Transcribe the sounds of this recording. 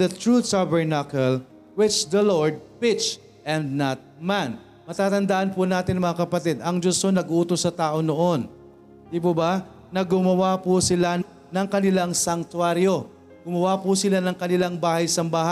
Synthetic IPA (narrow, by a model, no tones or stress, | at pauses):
ɐt̪ɹusabɛɹnakɐl | wɪt͡ʃd̪ɐloɹd̪̚pɪt͡ʃ | ʔɛnd̪̚nɐt̪̚man | mɐt̪aːt̪ɐnd̪aʔɐnpʊnaːt̪ɪnɐŋmɐŋakɐpɐt̪ɛd̪ɐŋd͡ʒosonɐɡʔuːt̪osːɐt̪aːʔo̞noʔo̞n | d̪iːp̬ʊbɐ | nɐɡʊmɐwapʊsɪla | nɐŋkɐnɪlaŋsɐŋt̪waɾjo̞ | ɡ̥ʊmɐwapʊsɪlanɐŋkɐnɪlaŋbaːhɐjsɐmbaːha